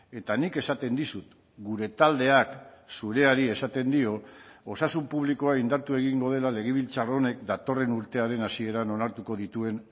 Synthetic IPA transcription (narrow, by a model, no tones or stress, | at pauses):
e̞t̪anike̞sat̪e̞nd̪isut̪ | ɡuɾe̞t̪ald̪e̞aksuɾe̞aɾie̞sat̪e̞nd̪io̞osasumpuβ̞liko̞aind̪aɾt̪ue̞ɣ̞iŋɡo̞ð̞e̞lale̞ɣ̞eβ̞ilt͡saro̞ne̞kd̪at̪o̞re̞nuɾt̪e̞aɾe̞nasie̞ɾano̞naɾt̪uko̞ðit̪ue̞n